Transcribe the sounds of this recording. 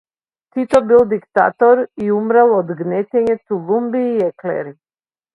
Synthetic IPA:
t̪it̪obild̪ikt̪a̰t̪oɾiumɾalod̪ɡnet̪jeɲet̪ulumbiːeklḛɾi

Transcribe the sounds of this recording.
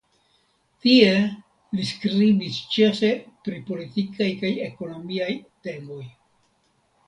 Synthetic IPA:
tie̞ | liskɾibist͡ʃese̞pɾipo̞litikajkaje̞ko̞no̞miajte̞mbo̞j

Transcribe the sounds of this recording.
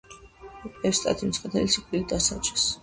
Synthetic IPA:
ɛst̪ʼa̰t̪ʰimnskʰʼat̪ʰɛ̰lisʰikʰʼlid̪asa̰t͡ʃʼɛ̥s

